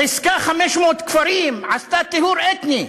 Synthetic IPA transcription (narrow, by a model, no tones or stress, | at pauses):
iskaχameʃmoːt̪kfaɾimʕast̪at̪ehuɾet̪ni